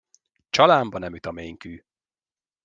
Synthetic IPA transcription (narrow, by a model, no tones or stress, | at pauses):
t͡ʃɒlaːmbɒnɛmyt̪ɒmeːŋkyː